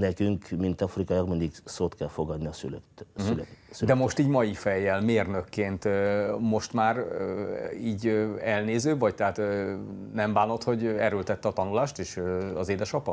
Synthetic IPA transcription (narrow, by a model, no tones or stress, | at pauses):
nɛkyŋkmint̪ɒfrikɒjɒɡmɛnd̪iksoːt̪kɛlfoɡɒd̪niɒsylsylɛyd̪ɛmo̞ʃt̪iːɟmɒjifɛjːɛlmeːrnøkːeːnt̪mo̞ʃt̪maːr | iːɟɛlneːzøːbvɒct̪ɛɦaːt̪ː | nɛmbaːno̞t̪ho̞ɟɛɾølt̪ɛt̪ːɛɒt̪ɒnulaːʃt̪eːʃɒzeːd̪ɛʃɒpɒ